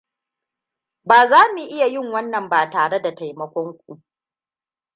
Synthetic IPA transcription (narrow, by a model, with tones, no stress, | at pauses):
baː˨zaː˦mu˨ʔɪ˦ja˨jɪ˦˨ŋwɐ˦nːɐ˨mbaː˨taː˨ɽe˦da˨ta˨jmɐ˦kʷɔ˦ŋkʷʼu˨